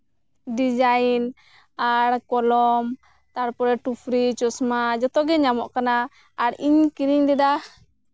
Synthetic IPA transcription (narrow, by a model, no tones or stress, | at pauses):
ɖid͡ʒain | aɽkɔlɔm | t̪aɽpɔɾɛʈupʰɾit͡ʃɔsmad͡ʒɔt̪ɔɡɛɲamɔʔkanaː | ɽiɲkiɾiɲd̪ɛd̪a